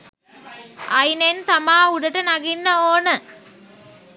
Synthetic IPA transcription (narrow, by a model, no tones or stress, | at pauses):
ʔɐjnent̪ɐmaːʊɽɐʈːɐnɐɣinːɐoːnɐ